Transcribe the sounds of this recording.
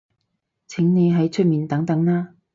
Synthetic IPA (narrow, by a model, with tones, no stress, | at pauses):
t͡sʰɪ˨˥ŋne˨˧jɦɐ˨˥jt͡ʃʰɵ˥t̚miː˨nt̪ɐ˨˥ŋt̪ɐ˨˥ŋnaː˥